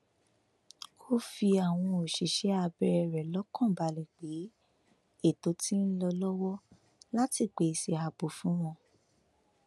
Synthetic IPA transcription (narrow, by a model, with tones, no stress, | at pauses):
kʰo˦fi˧a˨w̃ɔ̃˧o˨ʃi˨ʃɛ˨˦a˧bɛ˧ɛ˧ɾɛ˨lɔ˨˦kɔ̃˦˨ba˨˧lɛ˨k͡pe˨˦ | e˦˨to˨˦tĩ˦n̩˦lɔ˧lɔ˦wɔ˦ | la˦ti˦˨k͡pe˨˦˧si˧a˧bo˨fũ˦w̃ɔ̃˧